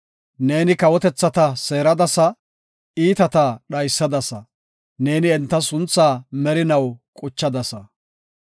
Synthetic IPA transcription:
ne̞ːnɪkɐwɔt̪ɛt͡sːɐt̪ɐse̞ːɾɐd̪ɐsɐ | iːt̪ɐt̪ɐɗɐjsːɐd̪ɐsɐ | ne̞ːnɪɛnt̪ːɐsʊnt͡sːaːmɛɾɪnɐwkʼʊt͡ʃːɐd̪ɐsɐ

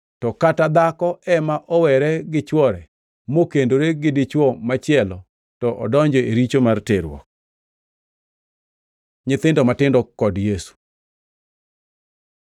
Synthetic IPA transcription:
tɔkatad̪akɔɛmaʔɔwɛɾɛɡɪt͡ʃwɔɾɛ | mokendoɾeɡɪdɪt͡ʃwɔmat͡ʃɪɛlɔ | tɔʔɔdɔɲd͡ʒɔeɾit͡ʃomarteɾwɔ̰k̚ | ɲɪt̪ɪndɔmatɪndɔkɔdjesu̥

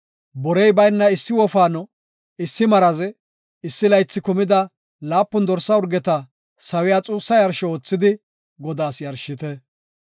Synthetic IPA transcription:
bɔɾɛjbɐjnːɐɪsːɪwɔfaːnɔ | ɪsːɪmɐɾɐzɛ | ɪsːɪlɐjt͡sːɪkʊmɪd̪ɐ | laːpːʊnd̪ɔɾsːɐʊɾɡɛt̪ɐ | sɐwɪjaːt͡sʼuːsːɐjɐɾʃɔoːt͡sːɪd̪ɪ | ɡɔd̪aːsjɐɾʃɪt̪ɛ

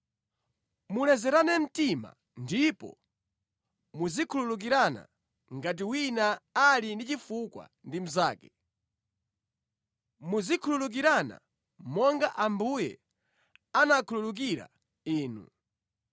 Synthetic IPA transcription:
mulɛzɛɾanɛm̩tima̰ | ndipɔ̰ | muzikʰululuk̬iɾana̰ | ŋɡat̬iwinaːlindit͡ʃifukwa̰ndim̩zaːkɛ̥ | muzikʰululuk̬iɾana̰ | mɔŋɡaʔambujɛ̰ | anakʰululuk̬iɾa̰ | iːnṵ

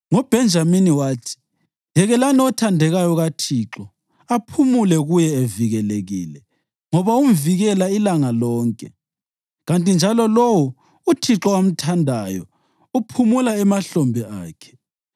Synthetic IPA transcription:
ŋɔb̥ʱɛnd͡ʒʱaminiwaːtʰi̥ | jɛɣɛlaniɔtʰandʱɛɣajɔɣatʰiǁɔ | apʰumulɛɣujɛeviɣɛleɣḭːlɛ | ŋɔβaum̩viɣɛlailaŋalɔːŋkʼɛ̰ | ɣantʼind͡ʒʱalɔlowu | utʰiǁɔam̩tʰandʱajɔ̰ | upʰumulaɛmaɬɔmbʱɛa̰ːkʰɛ̥

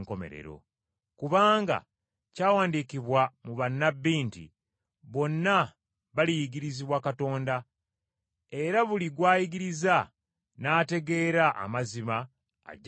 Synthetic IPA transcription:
ŋko̞mḛɾḛɾo̞̰ | kuβaːŋɡa̰ | caːwaːndikiβwamuβanːabːiːntḭ | βo̞nːa | βalijiɡiɾiziβwakato̞ːnda | e̞ɾaβuliɡwaːjiɡiɾiza | naːte̞ɡe̞ːɾaʔa̰mazima̰ː | ɟ

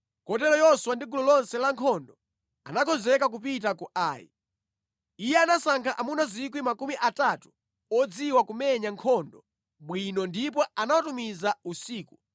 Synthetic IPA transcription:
kɔt̬ɛlɔjɔswandiɡulɔlɔnsɛlaŋkʰɔndɔ | anakʰɔzɛkak̬upit̬akuʔaːjḭ | ijɛanasaŋkʰaʔamunazik̬wimakumiʔatatu̥ | ɔd͡ziwakumɛɲaŋkʰɔndɔ | ɓwinɔndip̬ɔanawatumizausiːku

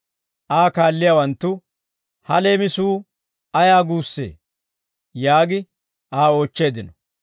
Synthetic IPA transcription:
ʔaːkaːlːɪjaːwɐnt̪ːʊ | hɐle̞ːmɪsuː | ɐjaːɡuːsːe̞̰ː | jaːɡɪ | ʔaːoːt͡ʃːe̞ːd̪ɪnɔ

